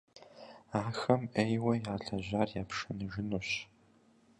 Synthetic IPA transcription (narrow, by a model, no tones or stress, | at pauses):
aːxɐmejwɐjaːɬɐʑaːrjaːpʂɨnɨʒɪnuːɕ